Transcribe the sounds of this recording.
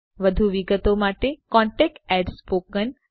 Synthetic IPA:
ʋəd̪ʱuʋiɡət̪omaʈekɔ̃ɳʈek̚ʈɛɖspokən

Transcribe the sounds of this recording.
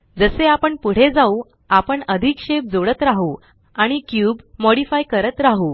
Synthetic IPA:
d͡zəseapəɳpuɽ̤ed͡zau | apəɳəd̪ʱikɕeb̚d͡zoɽət̪ɾaɦuː | aɽ̃ikjuːbmɔɽifajkəɾət̪ɾaɦuː

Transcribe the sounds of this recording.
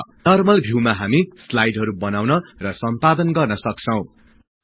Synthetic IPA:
nʌrmʌlbʱjiwmaɦamislajɖɦʌɾubʌnawnʌrʌsʌmpad̪ʌnɡʌrnʌsʌkt͡sʰʌw̃

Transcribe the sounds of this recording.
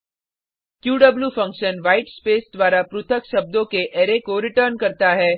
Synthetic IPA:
kjuːɖɐbljuːfɐ̃ŋkʃənʋaːɪʈspeːsd̪wʋaːɾapɾʊt̪ʰəkʃɐb̚d̪õkeʔeːɾekoɾɪʈəɾnkɐɾt̪aɦɛː

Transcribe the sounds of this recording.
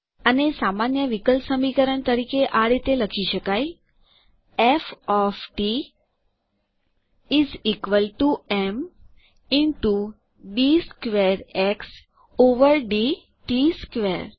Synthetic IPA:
ənesaːmanjəʋɪkəlsəmikəɾəɳ̃t̪əɾiːkeʔaɽet̪elɐkʰiʃəkaːi | efɔfʈi | iziːkʋəlʈuem | ɪ̃ɳʈu | ɖiskʋeɾeks | oʋəɾɖi | ʈiskʋeɾ

